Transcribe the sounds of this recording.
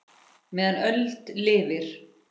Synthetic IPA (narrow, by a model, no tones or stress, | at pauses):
mɛːðanœlt̪lɪːvɪɾ̥